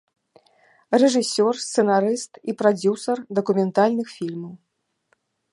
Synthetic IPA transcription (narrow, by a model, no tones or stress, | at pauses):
rɛʐɨsʲɔrst̪sɛnaɾɨst̪ipɾad͡zʲusɐrd̪ɐkumʲɛnt̪alʲnɨxfʲilʲmɐw